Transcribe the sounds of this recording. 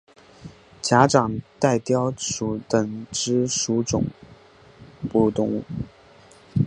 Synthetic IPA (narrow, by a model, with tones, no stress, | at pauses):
t͡ɕja˧˥ʈ͡ʂɑ˨˩ŋt̪a˥˩ɪt̪jɑ˥˩ʊʂu˨˥t̪ə˨˩ŋʈ͡ʂɻ̩˥ʂu˧˥ʈ͡ʂʊ̰˨˩ŋ | pu˥˧t̪ʊ˥˧ŋ˥˩